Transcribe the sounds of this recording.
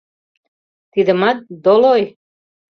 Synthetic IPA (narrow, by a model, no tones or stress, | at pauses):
t̪id̪ə̆mɑt̪̚d̪oloj